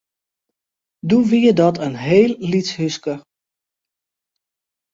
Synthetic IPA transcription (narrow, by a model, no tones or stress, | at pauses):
duʋiədɔtʰənɦeːlˠːitshyskə